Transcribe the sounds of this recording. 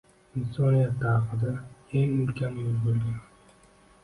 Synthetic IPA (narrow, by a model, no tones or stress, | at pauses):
ɪnsɒnijat̪ːɑːqɨd̪aeŋʊlkʲʰanmʊzbolɡʲan